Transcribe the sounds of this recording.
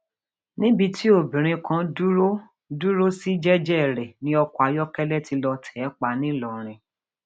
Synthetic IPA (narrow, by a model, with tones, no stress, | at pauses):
nĩ˦bi˧tʰi˦o˦˨bĩ˨ɾ̃ĩ˧kʰã˧du˦o˦ | du˦ɾo˦si˦d͡ʒɛ˦d͡ʒɛ˦˨ɾɛ˨nĩ˦ɔ˧ku˦a˨˧jɔ˦kɛ˦lɛ˦ti˧lɔ˧tʰɛ˨˦k͡pa˧˦nĩ˦lɔ˨ɾ̃ĩ˧